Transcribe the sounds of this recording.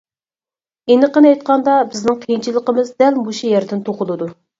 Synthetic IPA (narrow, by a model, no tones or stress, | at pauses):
enɨqənɑjt̪̚qʰɑnd̪ɑbɪznɪŋt̪ʰejint͡ʃʰilˠəqəmɨzd̪ɛlmuʃijɛɾd̪ɪnt̪ʰoqʊlˠɨd̪u